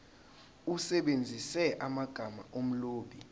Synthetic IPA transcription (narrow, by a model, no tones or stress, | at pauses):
usɛɓend͡zʱisɛʔamaɡ̥ʱama̰ʔom̩loːɓi